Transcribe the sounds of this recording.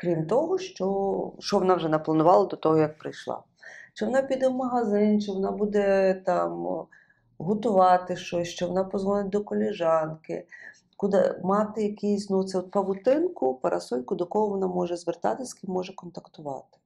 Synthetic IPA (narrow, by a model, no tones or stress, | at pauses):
kɾʲimt̪ɔɦɔʃt͡ʃɔʃt͡ʃɔʋɔnɑwʒɛnɐplˠɐnʊʋɑlˠɐd̪ɔt̪ɔɦɔjɐk̚pɾɪjʃlˠɑ̰ | t͡ʃɪʋɔnɑpʲid̪ɛwmɐɦɐzɪnt͡ʃɛʋɔnɑbud̪ɛt̪ɑm | ɦʊt̪ʊʋɑt̪ɪʃt͡ʃɔsʲʃt͡ʃɔʋɔnɑpɔzʋɔnɪt̚ʲd̪ɔkɔlʲeʒɑnkɪ̰ | kʊd̪ɪ̰mɑt̪ɪjɐkʲisʲnut̪sɛɔt̪̚pɐʋʊt̪ɪnkʊpɐɾʔɐsɔlʲkʊd̪ɔkɔɦɔʋɔnɑmɔʒɛzʋert̪ɑ̰t̪ɪsʲkʲimːɔʒɛkɔnt̪ɐkt̪ʊʋɑ̰t̪ɪ̥